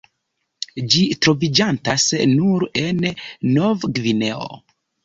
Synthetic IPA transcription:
d͡ʒitɾo̞vid͡ʒantasnuɾe̞nːovɡvine̞o̰

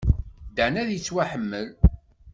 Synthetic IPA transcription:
d̪əʕnæðjət͡sːwaħəmːəl

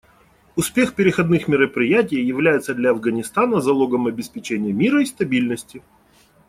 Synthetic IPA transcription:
ʊspʲexpʲɪɾʲɪxɐd̪nɨxmʲɪɾəpɾʲɪjæt̬ʲɪjːɪvlʲæjɪt̪səd̪lʲɐɐvɡənʲɪst̪anəzɐlˠo̞ɡəmɐbʲɪspʲɪt͡ɕenʲɪjəmʲiɾəist̪ɐbʲilʲnəsʲtʲɪ

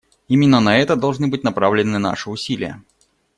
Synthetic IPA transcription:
imʲɪnːənɐɛt̪əd̪ɐlˠʐnɨbɨtʲnɐpɾavlʲɪnːɨna̰ʂɨʊsʲilʲɪ̰jə̰

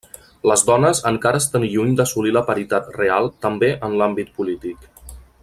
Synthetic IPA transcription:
ləzðɔnəzəŋkaɾəːst̪anʎuɲd̪əsuliləpəɾit̪at̪realˠt̪əmbeʔənlambit̪̚pulit̪ik

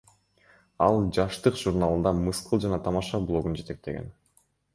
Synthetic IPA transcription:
ɑlˠd͡ʒɑʃt̪ɯqʒ̥uɾnalˠɯnd̪ɑmɯsqɯlˠd͡ʒɑnɑt̪ʰɑmɑʃɑblˠo̞ɡund͡ʒe̞t̪e̞k̚t̪e̞ɡḛn

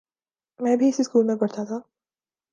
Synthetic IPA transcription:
mɛ̃ːbʱiɪsiskuːlmẽpɐɾt̪ʰat̪ʰaː

